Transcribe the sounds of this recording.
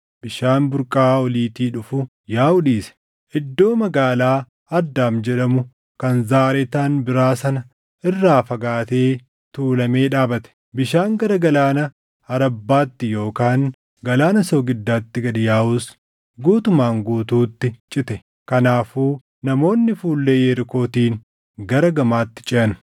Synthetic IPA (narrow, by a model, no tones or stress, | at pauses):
b̥ɪʃaːnbʊɾkʼaːɔliːt̪iːᶑʊfʊ | jaːʊᶑiːsɛ̥ | ʔɪd̪ːo̞ːmɐɡaːlaː | ɐd̪ːaːmd͡ʒɛᶑɐmʊ | kɐnzaːɾɛt̪aːnbɪɾaːsɐnɐ | ɪrːaːfɐɡaːt̪eː | t̪uːlɐme̞ːᶑaːbɐt̪ɛ̥ | bɪʃaːŋɡɐɾɐɡɐlaːnɐ | ɐɾɐbːaːt̪ːɪjo̞ːkaːŋ | ɡɐlaːnɐsoːɡɪd̪ːaːt̪ːɪɡɐᶑɪjaːuːs | ɡuːt̪ʊmaːŋɡuːt̪uːt̪ːɪt͡ʃʼɪt̪ɛ | kɐnaːfuː | nɐmo̞ːnːɪfuːlːejɛɾɪko̞ːt̪iːn | ɡɐɾɐɡɐmaːt̪ːɪ̥t͡ʃʼɪʔɐnʊ̥